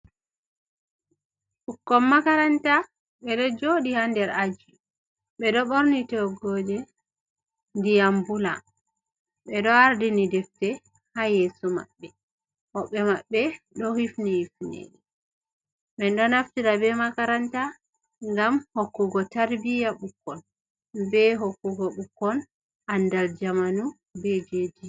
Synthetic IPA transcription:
ʔukːɔmmːakaɾanta | ɓɛɗɔd͡ʒoɗihandɛɾad͡ʒi | ɓɛɗɔɓoɾnitɔɡɔd͡ʒɛ | ndijambula̰ | ɓɛɗɔaɾdinidɛftɛ | hajeːsuma̰ɓːɛ | hɔɓːɛmaɓːɛ | ɗɔhifnihifnḛɗɛ | ɓɛnɗɔnaftiɾabɛmakaɾanta | ŋɡamhokːuɡɔtaɾbijaɓukːɔn | bɛɦokːuɡɔɓukːɔn | ʔandald͡ʒamanu | bɛd͡ʒed͡ʒi

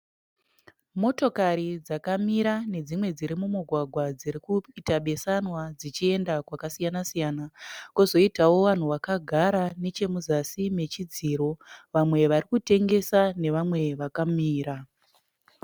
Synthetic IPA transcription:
mo̞to̞kaɾid͡zakamiɾane̞d͡zimwe̞d͡ziɾimumuɡʱwaɡʱwad͡ziɾikuitaɓe̞sanwad͡zit͡ʃie̞ndakwakasijanasijanakozo̞itawo̞ʋan̤uʋakaɡʱaɾane̞t͡ʃe̞muzasime̞t͡ʃid͡ziɾo̞ʋamwe̞ʋaɾikute̞ŋɡe̞sane̞ʋamwe̞ʋakamiːɾa

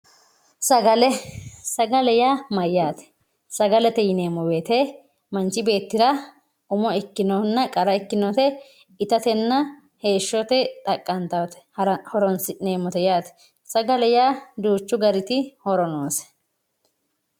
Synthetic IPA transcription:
sɐɡɐlɛsɐɡɐlɛjaːmɐjːaːt̪ɛ̥ | sɐɡɐlɛt̪ɛjɪne̞ːmɔbeːt̪ɛ | mɐnt͡ʃɪbe̞ːt̪ːɪɾɐ | ʊmɔɛkːɪnɔnːɐkʼɐɾɐɛkːɪnɔt̪ɛ | ɪt̪ɐt̪ɛnːɐ | he̞ːʃːɔt̪ɛt̪ʼɐkʼːɐnt̪ɐwt̪ɛ̥hɔɾɔnsɪneːmɔt̪ɛjaːt̪ɛ̥ | sɐɡɐlɛjaːd̪uːt͡ʃːʊɡɐɾɪt̪ɪhɔɾɔnoːsɛ̥

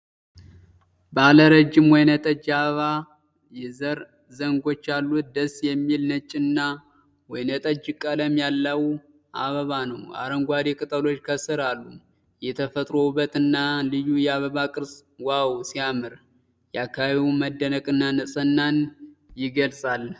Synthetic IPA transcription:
bəaləɾəd͡ʒːɪmwɔjnət̪ʼəd͡ʒːaβəβa | jɛzəɾ | zəŋɡo̞t͡ʃːalːut̪̚d̪əsjɛmːilnət͡ʃʼːɪnːa | wɔjnət̪ʼəd͡ʒːkʼələmjalːəw | ʔaβəβanəwa̰ɾəŋɡʷad̪ekʼɨt̪ʼəlo̞t͡ʃːkʰəsɨɾalːu | jɛt̪ʰəfət̪ʼɾo̞bət̪ɨnːalɨjujɛaβəβakʼɨɾswawsijamɨɾ | jɛakʰːaβaβiwməd̪ːənəkʼɨnːanɨsʼənːanjɪɡəlsʼal

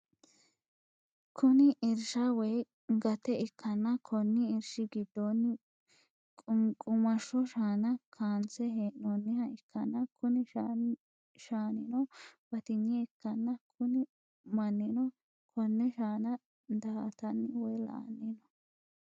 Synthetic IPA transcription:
kʰʊnɪʔɪɾʃɐwɛj | ɡɐt̪ɛɪkːɐnːɐkʰɔnːɪɪɾʃɪɡɪd̪ːonːɪ | kʼʊkʼʊmɐʃːɔʃaːnɐkʰaːnt͡sɛheːnɔnːɪhɐɪkʰːɐnːɐkʰʊnɪ | ʃaːnɪnɔb̥ɐt̪ɪɲːɛɪkːɐnːɐkʰʊnɪ | mɐnːɪnɔ | kʰɔnːɛʃaːnɐ | d̪ɐhɐt̪ɐnːɪwɛjla̰ːnːinɔ

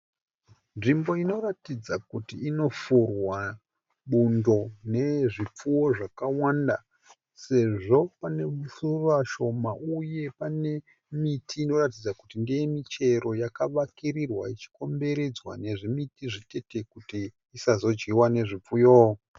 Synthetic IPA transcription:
nʐimbo̞ino̞ratid͡zakutiːno̞furwa | ɓundo̞ne̞ʐip͡fuwo̞ʐakawanda | se̞ʐo̞pane̞musuraʃo̞mauje̞pane̞ | mitʰiːno̞ratid͡zakutindijemit͡ʃe̞ɾo̞jakaʋakirirwa̰it͡ʃi̥ko̞mbe̞ɾe̞d͡zwa̰ne̞ʐimitiʐite̞te̞kutiː | sazo̞d͡ʒɡiwane̞ʐip͡fujoː

